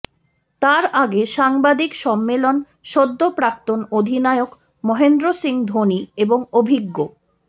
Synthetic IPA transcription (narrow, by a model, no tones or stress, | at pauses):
t̪aɾaɡeʃaŋbad̪ikʃɔmːelon | ʃod̪ːopɾak̚t̪onod̪ʱinaeok | mɔɦend̪ɾosiŋd̪ʱonieboŋobʱiɡːo